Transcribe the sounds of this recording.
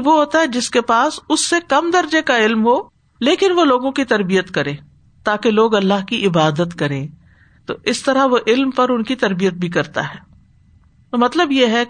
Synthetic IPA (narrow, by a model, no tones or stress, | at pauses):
ʋoɦoːt̪aɦɛd͡ʒɪskepaːsʊsːekɐmd̪ɐɾd͡ʒekaɪlmɦoː | leːkɪnʋoloːɡõkit̪ɐɾbijət̪kɐɾẽː | t̪aːkeloːɡɐlːaːɦkiʔɪbaːd̪ət̪kɐɾẽː | t̪o̰ʔɪst̪ɐɾaɦʋoʔɪlmpɐɾʊnkit̪ɐɾbijət̪̚bʱikɐɾt̪a̰ɦɛː | t̪omɐt̪ləbjeɦɛ